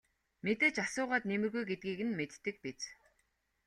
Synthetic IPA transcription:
met̪eːt͡ɕasʊːʁaːt̪nemɘ̆rɣujɡet̪̚ɡiːɣɘ̆nmet̪ːɘ̆k̚pit͡s

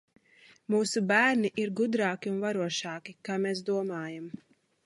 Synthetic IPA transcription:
muːsubæːɾniʔiɾɡud̪ɾaːkʲiunvaɾuɔʃɑːkikaːmeːsd̪uɔmaːjam

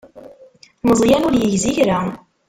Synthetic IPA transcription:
məzˤjænʊɾjəʝziçɾa

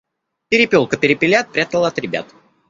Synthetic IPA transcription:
pʲɪɾʲɪpʲolˠkəpʲɪɾʲɪpʲɪlʲat̪̚pɾʲat̪əlˠaɐt̪ɾʲɪbʲa̰t̪

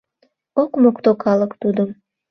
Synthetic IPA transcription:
okmokt̪okʰɑlˠəkt̪ud̪əm

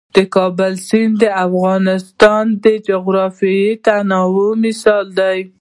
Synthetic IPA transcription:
d̪̥əkɑbʊlsind̪əafɣɑnɪst̪ɑnd̪əd͡ʒʊɣɾɑfijit̪anɑwumɪsɑld̪aj

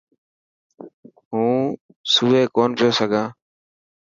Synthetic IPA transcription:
ɦũː | suːʋeːkoːnpɪjoːsəɡʱãː

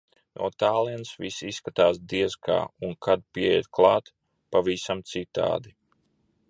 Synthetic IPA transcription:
nʔṵɔt̪aːlˠiɛnsvisisːkat̪aːs̬d̪iɛzkʰa̰ːunkʰad̪̚piɛjɛ̰d̪klˠɑːt̪ | pavisamt̪sit̪a̰ːd̪i

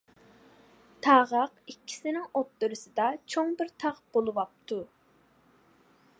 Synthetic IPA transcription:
t̪ʰɑʁɑqikʲʰːi̥sɪnɪŋot̪ːɨɾɨsɨd̪ɑt͡ʃʰoŋbɪɾt̪ʰɑqb̥olˠɨwɑp̚t̪ʰu

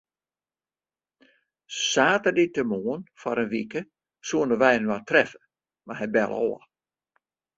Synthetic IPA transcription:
saːtəditəmoənfɔɾənʋikə | suənəʋɛjənwatrɛfə | maɦɛjbɛlˠɔ̰ːə

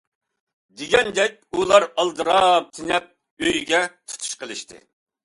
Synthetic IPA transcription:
d̪eɡʲɛnd̪ɛk̚ʲulˠɑɾɑlˠd̪ɨɾɑp̚t̪ʰɪnɛp̚ | øjɡʲɛt̪ʰu̥t̪ʰu̥ʃqʰəlˠɨʃt̪ɨ̰

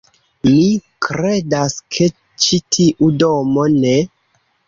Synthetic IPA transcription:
mikɾe̞daskʰe̞ | t͡ʃitʰiʔudomo̞ne

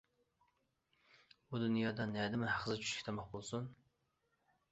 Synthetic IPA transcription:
bud̪unjɑːd̪ɑnɛd̪ɪmɪhæχzɨt͡ʃʰy̥ʃkʲɪ̥t̪ʰmɑχbolˠsun

